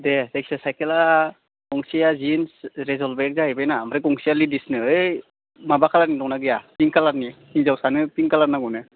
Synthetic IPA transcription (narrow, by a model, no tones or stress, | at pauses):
dɛteksesajkela | ɔŋsijazinsɾezɔlbeɛk̚zaɦɯjbajnamaɾekɔŋsialidisnɯɯ | mabakʰalaɾnidɔŋnaɡɯjapiŋkalaɾni | iŋzawsanɯpiŋkalaɾnaɡɔnɯ